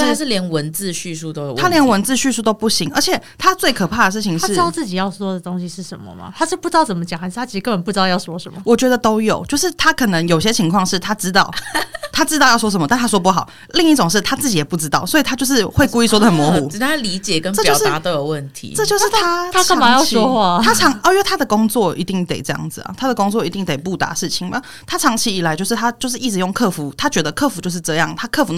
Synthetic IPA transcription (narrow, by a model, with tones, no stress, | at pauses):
a˥˩ʂɻ̩˥˩ljɛ˧˥nwə˧˦nt͡sɹ̩˥˧ɕy˥˧s̬u˥˧t̪o˥ʊwe˨˩t̪ʰa˥ljɛ˧˥nwə˧˥nt͡sɹ̩˥˧ɕy˥˧su˥˩t̪o˥ʊpu˥˩ɕi˧˥˦ŋə˞˧˥t͡ɕʰjɛ˨˩t̪ʰa˥t͡swe˥˩ɪkʰɤ˨˩pʰa˥˩d̪ə˩ʂ̬̩˥˩t͡ɕʰi˨ŋʂa˥ɻ̩˥˧˥t̪ɑ˥˧ʊt͡sɹ̩˥˩t͡ɕi˨˩jɑ˥˩ʊswɔ˥d̪ə˨t̪o˥ŋɕi˧ʂɻ̩˥˩ʂə˧˦nmə̰˧mɐ̰˩t̪ʰa˥ʂɻ̩˥˧pu˥˩ʈ͡ʂɻ̩˥ɑ˥˩t͡sə˩mə˦t͡ɕjɑ˨˩˦xa˧˥ɪʂ̩ɻtʰa˥i˧˥˧kə˥˧mə˨˩pu˩ɻ̩˧˥t̪ɑ˥˧jɑ˥˩ʊswɔ˥ʂə˨˦mə˦˩wɔ˨˩t͡ɕɥɛ˧˥d̪ə˧t̪o˥ʊjo˨˩ʊt͡ɕjo˥˧ʊʂɻ̩˥˩t̪ʰa˥kʰɤ˨˩nə˧˥ŋjo˨˩ʊɕjɛ˥t͡ɕʰi˧˥ŋkʰwɑ˥˧ŋʂɻ̩˥˩t̪ʰa˥ʈ͡ʂɻ̩˥t̪ɑ˥˩ʊt̪ʰa˥ʈ͡ʂɻ̩˥t̪ɑ˥˧ʊjɑ˥˩ʊswɔ˥ʂ̬ə˧˦mə˧t̪nt̪ʰa˥ʂwɔ˥p̬u˥˩xɑ˨˩˦ʊ | li˥˧ŋi˥˩ʈ͡ʂo˨˩ŋʂ̬ɻ̩˥˩t̪ʰa˥t͡sɹ̩˥˩t͡ɕi˨˩jɛ˨˩pu˥˩ʈ͡ʂɻ̩˥t̪ɑ˥˩ʊswɔ˧˥i˨˩t̪ʰa˦˥t͡ɕo˥˧ʂɻ̩˥˧xwe˥˩ɪku˥˧i˥˩s̬wɔ˥d̪ə˨hə˨˩nmwɔ˧˥xu˨˥˦ʈ͡ʂ̩˨˩a˥li˧˥t͡ɕjɛ˨˩kə˦nʈ͡ʂə˥˧t͡ɕjɑo˥˧˩ʂt̪a˦t̪o˥ʊjo˨˩ʊwə˥˩nt̪ʰḭ˧˦ʈ͡ʂɤ˥˧t͡ɕjo˥˧ʊʂɻ̩˥˨˩t̪ʰa˥tʰa˥kʰə˥˨˧ma˥˨˧jɑ˥˧ɔ˥xwa˥˩t̪ʰa˥ʈ͡ʂʰɑ˧˦ŋ˧˩i˥nwt̪ʰa˥d̪ə˨kʊ˥ŋt͡swɔ˥˨˩i˧˥t̪i˥˩ŋt̪ḛ˨˩ɪʈ͡ʂɤ˥˧jɑ̰˥˩ŋd͡zɹ̩˨˩ɐ̰˩t̪ʰa˥d̪ə˨kʊ˥ŋt͡swɔ˥˩i˧˥i˥˩ŋt̪e˨˩ɪpu˥˩t̪a̰˧˥ʂɻ̩˥˩t͡ɕʰi˨˩ŋmɐ̰˩ | t̪ʰa˥ʈ͡ʂʰɑ˧˥ŋt͡ɕʰi˧˥i˨˩la˨˧ɪt͡ɕjo˥˧ʊʂɻ̩˥˩t̪ʰa˥t͡ɕjo˥˧ʊʂ̬ɻ̩˥˩i˥˩ɻ̩˧˩jo˥˩ŋkʰɤ˥˩fu˧˥t̪ʰa˥t͡ɕɥɛ˧˥d̪ə˧˨kʰɤ˥˩fu˧˥t͡ɕjo˥˧ʊʂɻ̩˥˧ʈ͡ʂɤ˥˧jɑ˥˩ŋt̪ʰa˥kʰɤ˥˩fu˧˥n